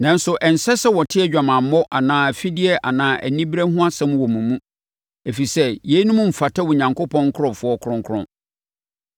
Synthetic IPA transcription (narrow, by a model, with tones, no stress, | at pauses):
nã˦n˦sʊ˨ʔɛ˨n̩˨sɛ˦sɛ˦wɔ˨tʰɪ˦ɛ˦d͡ʑᶣa˨mã˨m̩ː˦ɔ˦ʔa˨nãː˨˦˨æ˨fi˦dɪ˦ɛ˦ʔa˨nãː˦ʔæ̰˨nĩ˦bɾæ˦hʊ̃˦a˦sɛ̃˦m̃˦wɔ˨mũ˨mũ˦ | e˨fi˨sɛ˦jɛ˨˦nũ˦mũ˦m̩˨fa˨tʰɛ˦wʊ˨ɲã˨ŋko˦pʰɔ̃˦ŋ˦kʰʊ˦ɔ̃˨fʊ˨˦ɔ˦kʰʊ̃˦ŋkʰʊ˦ʊ̰̃˦